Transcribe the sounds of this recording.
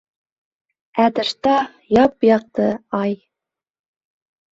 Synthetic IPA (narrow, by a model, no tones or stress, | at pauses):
æd̪ɘ̆ɾt̪ɑ | jɑpjɑq̚t̪ɤɑj